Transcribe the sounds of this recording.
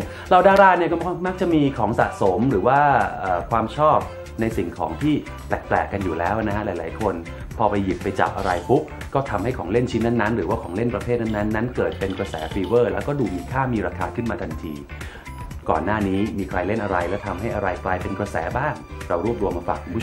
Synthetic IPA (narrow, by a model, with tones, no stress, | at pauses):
ɾa˧wdaː˥˩ɾaː˥˩ni˥˩ɐkɔ˥˩˥ma˦˥k̚t͡ɕa˨˩ʔmiː˧kʰɔː˩˦ŋsa̰˨˩ʔso˩˦mɾɯː˩˦waː˥˩ʔəː˨˩kʰwaː˧mt͡ɕʰɔː˥˩p̚ | na˧jsi˨˩ŋkʰɔː˩˦ŋt̪ʰiː˥˩ | t̪ɛː˨˩k̚plɛː˨˩kːa˧njuː˨˩lɛː˦˥wʔna˦˥kʰa˦˥laː˨˩˦jlaː˩˦jkʰo˧n | pʰɔː˧pa˧ji˨˩pːa˧jt͡ɕa̰ː˨˩k̚ʔa˧ɾa˧jpʰu˦˥k̚ | kːɔː˥˩t̪ʰa˧mha˥˩jkʰɔː˩˦ŋle˥˩nt͡ɕʰi˦˥nːa˥˩nːa˦˥nɾɯː˩˦waː˥˩kʰɔː˩˦ŋle˥˩npɾa˧pʰeː˥˩t̪̚na˥˩nːa˦˥nːa˦˥nkɤː˨˩t̪̚pe˧nkɾa˧sɛː˩˦˥fi˧wɤː˥˩lɛː˦˥wkɔː˥˩duː˨˩miː˧kʰaː˥˩miː˧ɾaː˧kʰaː˧kʰɯ˥˩nmaː˧t̪ʰa˧nt̪ʰḭː˧ | kɔ̰ː˨˩nːaː˥˩niː˦˥miː˧kʰɾa˧jle˥˩nʔa˧ɾa˧jlɛː˦˥wt̪ʰa˧mɦa˥˩jʔa˧ɾa˧jklaː˧jpe˧nkɾa˧sɛ̰ː˩˦baː˥˩ŋɾa˧wɾu˥˩əp̚ɾu˧əmːaː˧faː˨˩kʰːu˧mʰu˥˩